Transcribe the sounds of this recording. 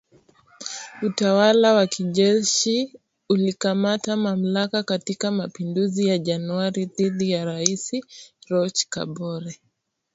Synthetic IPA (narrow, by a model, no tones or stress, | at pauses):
utawalawakʰiʄɛʃi | ulikamatamam̩lakakatikamapinduzijaʄanuaɾiðiðijaɾaisiɾɔt͡ʃka̰ɓɔɾɛ